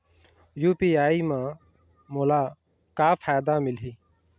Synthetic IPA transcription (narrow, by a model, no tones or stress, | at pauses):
juːpiːaːiːmã | moːlaː | kaːfʰaːjd̪aːmɪlɦiː